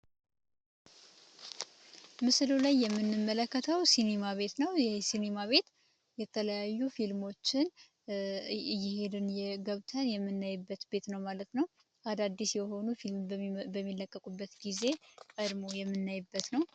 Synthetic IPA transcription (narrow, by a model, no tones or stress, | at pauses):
mɨslulajːɛmːɨnːɨmːələkːət̪ʰəwsine̞maβe̞t̪nəwjɛhsine̞maβe̞t̪ | jɛt̪ʰələjajːufilmo̞t͡ʃːɪn | jɪhe̞d̪ɨnjɛɡəβt̪ʰənjɛmːɨnːajɨbːət̪be̞t̪nəwmalət̪nəw | ʔad̪ad̪ːisjɛho̞nufilmbəmːilːəkʼːəkʼubːət̪ɡize̞kʼəd̪mojɛmːɨnːajɨbːət̪nəw